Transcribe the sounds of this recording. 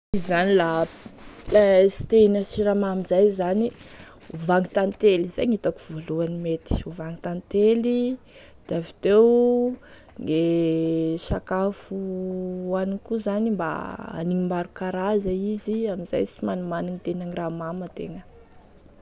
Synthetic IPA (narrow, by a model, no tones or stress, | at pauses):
izizanila | lasi̥t̪enəsiɾamamizajzani | uvaŋit̪ant̪elizejŋit̪akuvoluanimet̪i̥uvaŋit̪ant̪eli | d̪̥eavit̪ew | ŋɡe | ʃakafu | anikuzanimba̰a̰niŋimaɾukaɾazaiziamiza̰jt͡simanumaniŋit̪enaniramamat̪ḛŋə